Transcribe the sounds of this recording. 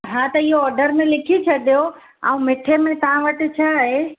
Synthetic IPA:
ɦãt̪ɐɪɦoɔːɾɖəɾmẽlɪkʰit͡ʃʰɐd̪ijo | a̰ũmeʈʰemẽk̪ɐãʋəʈɪt͡ʃʰaɦe

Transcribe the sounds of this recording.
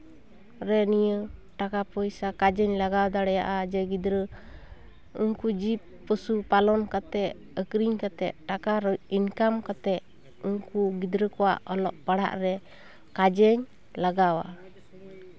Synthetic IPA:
ɾɛnijəʈakapɔjsakad͡ʒɛɲlaɡawd̪aɽɛjaʔad͡ʒɛɡid̪ɾə | uŋkud͡ʒip̚ | pːəsupalɔnkat̪ɛʔ | əkɾiɲkat̪ɛʔ̚ʈakaɾɔinkamkat̪ɛʔ | uŋkuɡid̪ɾəkɔwa̰ʔɔlɔʔpaɽa̰ʔɾɛ | kad͡ʒɛɲ | laɡawa̰

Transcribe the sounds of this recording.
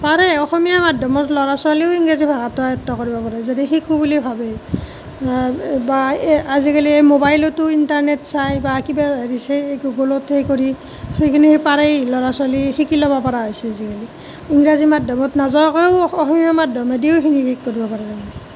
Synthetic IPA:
paɾɛɔxɔmijamadʱɔmɔtlɔɹasaliʊiŋɹazibʱaɡatɔajɔtːɔkoɹibɔpaɹɛzadixikubulibʱabɛ | baazikaliejmobajlɔtʊintaɹnetsajbakibaɹisɛɡuɡolɔtʰejkoɹi | sejkʰinipaɾejlɔɹasalixikilɔbapɔɹaɔjsɛazikali | iŋɹazimadʱɔmɔtnazɔkɔʊɔxɔmiamadʱɔmedioʊkʰinikikːoɹibɔpaɹɛzaɡanɛ

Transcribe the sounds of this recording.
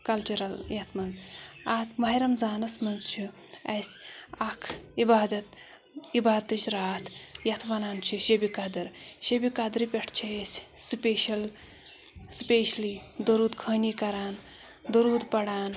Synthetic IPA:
kɐlt͡ʃuɾɐljɐt̪ʰmɐnzat̪mɐɦiɾɐmzaːnɐsmɐnzt͡ʃʰi | ɐsʲɐkʰibaːd̪ɐt̪̚ | ibaːd̪t̪ɨt͡ʃɾaːt̪ʰjɐt̪ʰʋɐnaːnt͡ʃʰiʃɐbikɐd̪ɐɾʃɐbikɐd̪ɾipʲɐʈʰt͡ʃʰɐɐsʲspeːʃɐl | spʲeːʃlid̪ɐɾuːd̪kʰɐːniːkɐɾaːn | d̪ɐɾuːd̪pɐɽaːn

